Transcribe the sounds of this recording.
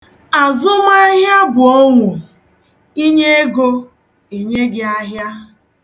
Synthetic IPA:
a˨zʊ˦ma˦ɦja˦bʊ˨o˦ŋʷʊ˨ | i˦ɲe˦e˦ɡo˦ | i˨ɲe˦ɡɪ˦a˦ɦja˦

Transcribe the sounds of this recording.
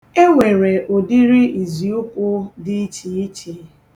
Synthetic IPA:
e˦ŋʷe˨ɾe˨ʔo˨di˦ɾi˦i˨zi˨u˦kʷʊ˦dɪ˦t͡ʃi˨i˦t͡ʃe˨˦

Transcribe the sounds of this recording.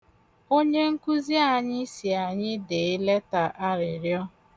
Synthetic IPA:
o˦ɲe˦ŋ̩˦ku˦zi˦a˨ɲɪ˦si˨a˨ɲɪ˦de˨ɪ˦le˦ta˨ʔa˦ɾɪ˨ɾjɔ˦

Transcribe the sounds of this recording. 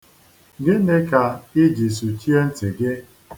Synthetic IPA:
ɡɪ˦ne˦ka˨ɪ˦d͡ʒi˨s̬u˨t͡ʃi˦e˦n̩˦tɪ˨ɡɪ˦

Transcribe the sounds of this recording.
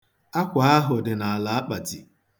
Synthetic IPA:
a˦kʷa˨a˦ɦʊ˨dɪ˨na˨a˨la˨˦a˦k͡pa˨ti˨

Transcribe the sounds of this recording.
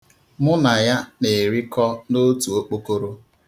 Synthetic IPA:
mʊ˦na˨ja˦ne˨ɾi˦kɔ˦no˦tu˨o˦k͡po˦ko˦ɾo˦

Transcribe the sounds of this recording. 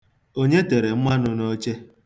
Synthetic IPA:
o˦ɲe˦te˨ɾe˨m̩˦ma˦nʊ˨no˦t͡ʃe˦

